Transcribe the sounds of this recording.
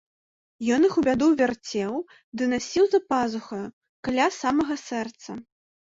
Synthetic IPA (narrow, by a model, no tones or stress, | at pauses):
jɔnɨxubʲad̪uvʲart͡sʲɛw | d̪ɨnasʲiwzɐpazuxɐ | kalʲasamɐɣɐsɛrt̪sɐ